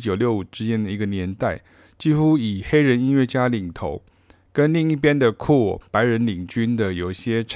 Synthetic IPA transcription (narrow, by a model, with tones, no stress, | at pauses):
t͡ɕjo˨˩ʊljo˥˩ʊu˨˩ʈ͡ʂɻ̩˥t͡ɕjɛ˥nd̪ə˨i˧˥ɡə˨njɛ˧˥nt̪a˥˩ɪ | t͡ɕi˥xu˥i˨˩xe˥ɪɻə˧˦ni˥nɥɛ˥˩t͡ɕja˥li˨˩ŋt̪ʰo˧˥ʊ | kə˥nli˥˧ŋi˥˩pjɛ˥nd̪ə˨kʰɔ˥˩pa˧˥ɪɻə˧˥nli˨˩ŋt͡ɕy˥nd̪ə˨jo˨˩ʊi˩ɕjɛ˥ʈ͡ʂʰ